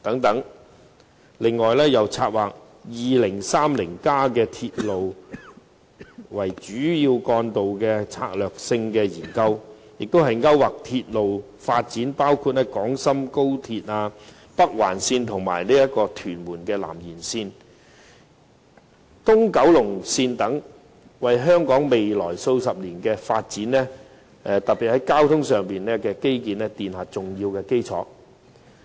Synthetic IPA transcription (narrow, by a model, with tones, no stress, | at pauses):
t̪ɐ˨˥ŋt̪ɐ˨˥ŋ | lɪ˨ŋːɔː˨jlɛː˥jɐ˨˩wt͡sʰaː˧t̚waː˨k̚ | jiː˨lɪ˨˩ŋsaː˥mlɪ˨˩ŋkaː˥kɛː˧t̪ʰiː˧t̚lo˨w | wɐ˨˩jt͡ʃyː˨˥jiː˧wkɔː˧nt̪o˨wkɛː˧t͡sʰa̰ː˧k̚lœː˨k̚sɪ˧ŋkɛː˧jiː˨˩nkɐ˧w | jɪ˨k̚t̪o˥wɦɐ˨jŋɐ˥waː˨k̚t̪ʰiː˧t̚lo˨w | faː˧t̚t͡siː˨˥npaː˥wkʰu˧t̚nɛː˥kɔː˨˥ŋsɐ˥mko˥wt̪ʰiː˧t̚aː˧ | pɐ˥k̚wa̰ː˨˩nsiː˧nt̪ʰʊ˨˩ŋma̰ː˨˩jliː˥jɐ˥t̚kɔː˧t̪ʰyː˨˩nmuː˨˩nkɛː˧la̰ː˨˩mjiː˨˩nsiː˧n | t̪ʊ˥ŋkɐ˨˥wlʊ˨˩ŋsiː˧nt̪ɐ˨˥ŋ | wɐ˨jɦœː˥ŋkɔː˨˥ŋme˨jlɔː˨˩jso˧wsɐ˨p̚liː˨˩nkɛː˧fa̰ː˧t̚t͡siː˨˥nlɛː˥ | ɛ˨˧t̪ɐ˨pi˨t̚hɐ˨˥jkaː˥wt̪ʰʊ˥ŋsœː˨˩ŋpiː˨nɛː˥kɛː˧ke˥jk̬iː˨nɛː˥t̪iː˨nhaː˨t͡sʊ˨ŋjiː˧wkɛː˧ke˥jt͡sʰɔ̰ː˨˥